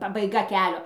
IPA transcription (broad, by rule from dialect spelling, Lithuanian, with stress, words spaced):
pɐbɐɪˈɡɐ ˈkʲæːlʲoː